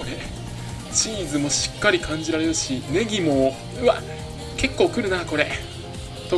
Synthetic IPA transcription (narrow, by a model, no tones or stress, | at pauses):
oɾe | t͡ɕiːzɨmo̞ɕi̥kːaɾʲikʰãɲ̟d͡ʑiɾaɾe̞ɾɯ̟ɕine̞ɡʲimo̞ | ɯβa | ke̞kːo̞ːkɯ̟ɾɯ̟nako̞ɾe̞ | t̪o